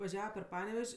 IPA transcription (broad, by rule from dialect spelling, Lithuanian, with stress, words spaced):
ʋɐˈʒʲæːʋɐ pʲɛr ˈpɑːnʲɛʋʲɛʃʲ